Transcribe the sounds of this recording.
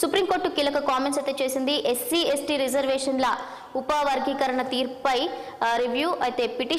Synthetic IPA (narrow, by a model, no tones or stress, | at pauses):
supɾimko̞ːɾʈukiːlɐkɐkaːmensɐt̪ːeːt͡ʃeːsind̪iʔesːiesʈiɾid͡ʒɐɾʋɛːʂɐnlɐ | upɐʋɐɾɡʱikɐɾɐɳɐt̪iːɾpɐjɾiʋjuːʔɐjt̪e̞ːpiʈi